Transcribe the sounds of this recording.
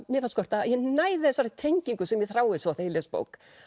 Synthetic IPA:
mjɛfaskɔr̥t̪ajɛnaːjðɪθɛsaɾɪt̪ʰejɲciŋkʏsɛmjɛθɾaːwɪsɔθejlespo̰ːwk

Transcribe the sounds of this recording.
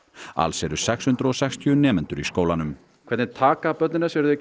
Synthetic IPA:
a̰lsɛɾʏsɛkshʏnt̪ɾɔsɛkst̪ʰjʏʏnɛːmɛnt̪ʏɾiskoːwlanʏm | kʰɛɾt̪nɪt̪ʰaːkapœt̪̚nɪnasɛɾʏðɛc

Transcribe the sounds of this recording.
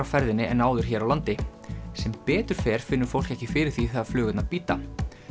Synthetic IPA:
awfɛɾðɪnːɪɛnːaːwðʏɾ̥çɛːɾawlant̪ɪ | sɛmpɛːt̪ʏɾ̥fɛːɾ̥fɪnːʏ̥fowl̥kɛhcɪfɪːɾɪɾ̥θiθaðflʏːɣʏt̪napiːt̪a̰

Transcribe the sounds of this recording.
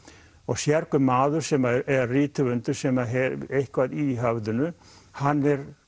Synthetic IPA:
ɔɣsjɛɾkʏmaːðʏɾ̥sɛːmaɛriːt̪ɪvʏnt̪ʏɾ̥sɛmaɦɛɾehkvaðiɦœvðʏnʏ | hanːɛɾ

